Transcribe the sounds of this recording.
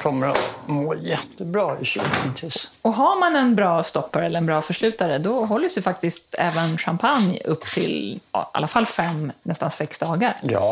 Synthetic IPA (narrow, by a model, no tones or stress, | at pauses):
kʰɔmːəɾɔmoːjɛt̪ːəbɾɑːɪɕʉ̰k̪ənt̪ʰisɔɦaɾmanɛnbɾɑːst̪ɔpːaɾɛlːəɾɛnbɾɑːfœʂɭʉ̟ːt̪aɾəd̪ɔɦɔlːəsd̪ɪfak̚t̪ɪst̪ɛ̰ːvənɧampʰanjɵ̰pːt̪ʰɪ̰l̰a̰lːafalːfɛmːnɛst̪ansɛksd̪ɑːɡaɾjɑ̰ː